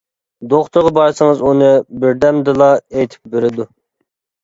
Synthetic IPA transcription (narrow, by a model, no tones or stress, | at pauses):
d̪oχt̪ʊɾʁɑbɑɾsɨŋɨzunɨbɪɾd̪ɛmd̪ɨlˠɑejt̪ʰɪ̥p̚beɾɪd̪u